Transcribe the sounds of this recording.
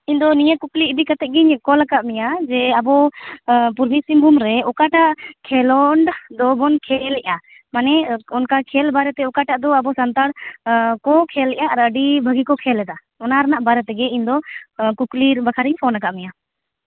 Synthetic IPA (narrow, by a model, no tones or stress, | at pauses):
ind̪ɔnijəkuklid̪ikat̪ɛʔ̚ɡiɲkɔlakaʔmijad͡ʒɛabɔ | puɾbisimbʱumɾɛɔkaʈaʔkʰɛlɔɳɖd̪ɔbɔnkʰɛlɛʔa | manɛɔnkakʰɛlbaɾɛt̪ɛɔkaʈaʔd̪ɔabɔsant̪aɽkɔkʰɛlɛʔaaɾəɖibʱəɡikɔkʰɛlɛd̪a | ɔnaɾanaʔbaɾɛt̪ɛɡɛiɲd̪ɔkukliɾbakʰaɾiɲpʰɔnakaʔmɛja